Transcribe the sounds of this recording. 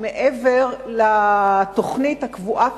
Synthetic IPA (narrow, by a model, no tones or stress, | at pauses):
meʔeveʁlat̪oχnithakvuʔa